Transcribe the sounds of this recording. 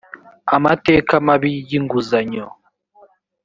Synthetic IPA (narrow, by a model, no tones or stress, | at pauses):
amatekamaβijiŋɡuzaɲo